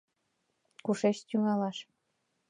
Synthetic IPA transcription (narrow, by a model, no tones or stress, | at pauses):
kuʃeʃt̪ʲyŋɑlɑʃ